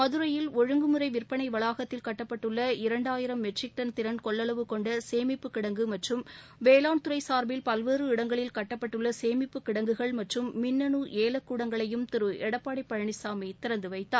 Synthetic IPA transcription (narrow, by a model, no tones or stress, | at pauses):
mɐðɯɾɐjɪlɔɻɯŋɡɯmɯɾɐɪʋɪrpːɐɳɐɪʋɐɭaːɣɐt̪ːɪlkɐʈːɐpːɐʈːɯɭːɐɪɾɐɳɖaːjɪɾɐmːɛʈsɪk̚ʈɐnt̪ɪɾɐnkɔɭːɐlɐʋɯkɔɳɖɐseːmɪpːɯkːɪɽɐŋɡɯmɐʈrɯmʋeːlaːnt̪ɯɾɐɪsaːɾbɪlpɐlʋeːrɯɪɽɐŋɡɐɭɪlkɐʈːɐpːɐʈːɯɭːɐseːmɪpːɯkːɪɽɐŋɡɯɣɐɭmɐʈrɯmːɪnːɐnuʔeːlɐkːuːɽɐŋɡɐɭɐjɯmt̪ɪɾɯɛɽɐpːaːɽɐɪpːɐɻɐɳɪsaːmɐɪt̪ɪɾɐnd̪ɯʋɐɪt̪ːaːɾ